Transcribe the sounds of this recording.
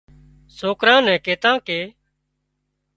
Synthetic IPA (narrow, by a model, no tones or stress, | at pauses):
soːkɾãːnɛ̃ːkeːt̪ãːkeː